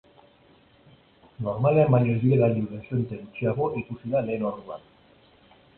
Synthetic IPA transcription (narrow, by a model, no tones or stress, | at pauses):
no̞ɾmaleamajezðiɾeɣaʎulesent̪enut͡ʃiaɣoʔikusiðale̞ːnoɾðua̰n